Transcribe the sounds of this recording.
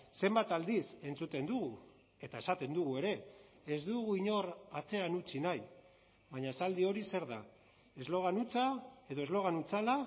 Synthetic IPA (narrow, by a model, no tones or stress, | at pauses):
se̞mbat̪ald̪ise̞nt͡sut̪e̞nd̪uɣu | e̞t̪ae̞sat̪e̞nd̪uɣ̞ue̞ɾe̞ː | zd̪uɣuiɲo̞rat͡se̞anut͡ʃinaj | βaɲaesald̪io̞ɾise̞ɾða | e̞zlo̞ɣanut͡sae̞ðo̞e̞zlo̞ɣ̞anut͡sala